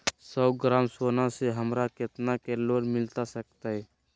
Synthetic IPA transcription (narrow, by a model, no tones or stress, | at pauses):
sɔɡɾaːmsoːnãseɦəmɾakɪt̪nakeloːmɪlt̪asək̚t̪aɦɛ